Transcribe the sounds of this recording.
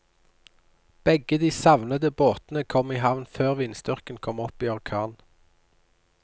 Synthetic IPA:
b̥ɛɡəd̪iːsɑʋnəd̪əboːt̪n̩əkʰɔmiːɦɑʋnføːʁʋɪnsd̪ʏʁkənkʰɔmɔpiːɔʁkʰɑːn

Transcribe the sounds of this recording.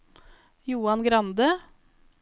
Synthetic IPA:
juːɑnɡɾɑnd̪ə

